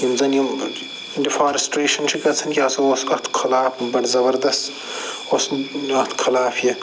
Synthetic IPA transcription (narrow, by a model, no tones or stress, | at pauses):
jimzɐnjim | ɖifaːɾisʈɾeːʃɐnt͡ʃʰikɐt͡sʰɐnkʲjaːsɐoːskɐt̪ʰkʰɐlaːfbɐʈzɐbɐɾd̪ɐst | oːsɐt̪ʰkʰɐlaːfjɐ